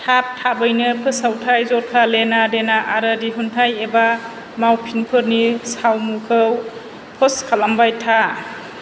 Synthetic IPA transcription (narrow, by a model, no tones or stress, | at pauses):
tʰap̚tʰabɯjnɯpʰɯsawtʰajzɔɾkʰalenadenaʔaɾɯdiɦuntʰajeba | mawpʰinpʰɯɾnisawmukʰɯw | pʰɔskʰalambajtʰa